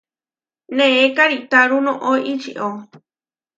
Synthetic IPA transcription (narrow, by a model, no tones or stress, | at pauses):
nẽekaɾit̪aɾunõʔoʔit͡ʃḭʔo